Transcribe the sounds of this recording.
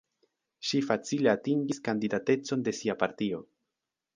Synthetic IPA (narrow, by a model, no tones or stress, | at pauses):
ʃifat͡sile̞atiŋɡiskandidate̞t͡so̞nde̞siapaɾtio̞